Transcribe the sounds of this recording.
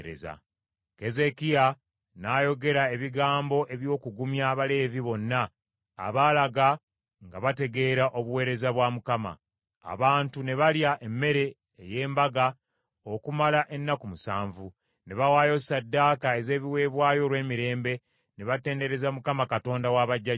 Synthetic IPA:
ɾḛza̰ | ke̞ze̞kia | najo̞ɡe̞ɾae̞βiɡaːmbo̞ʔe̞βjo̞ːkuɡumjaβale̞viβo̞nːa̰ː | βalaɡa | ŋɡaβate̞ɡe̞ɾaʔo̞βuwe̞ːɾe̞zaβwamukama̰ː | βaːntune̞βaljaʔe̞mːe̞ɾe̞ː | je̞ːmbaɡa | okumalaʔe̞nːakumusa̰ːɱvu | ne̞βawaːjo̞sadːaːkae̞ze̞ːβiwe̞ːβwaːjo̞lwe̞ːmiɾe̞ːmbe̞ | neβate̞ːnde̞ɾe̞zamukamakato̞ːndawaβaɟːa

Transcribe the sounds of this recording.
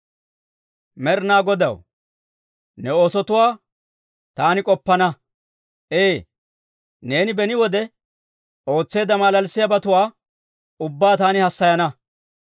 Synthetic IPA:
mɛɾnaːɡɔd̪ɐ̰w | nɛoːsɔt̪ʊwaː | t̪aːnɪkʼɔpːɐnɐ | ʔeː | ne̞ːnɪbɛnɪwɔd̪ɛ | ʔo̞ːt͡sːe̞ːd̪ɐmaːlɐlsːɪjabɐt̪ʊwaː | ʊbːaːt̪aːnɪhɐsːɐjɐnɐ

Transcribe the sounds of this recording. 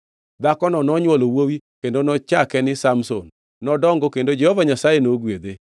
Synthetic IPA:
d̪akɔnɔnɔɲwɔlowowikendonɔt͡ʃakɛnɪsamsonː | ɔdɔŋɡɔkendod͡ʒɛhɔvaɲasajenoɡwed̪e

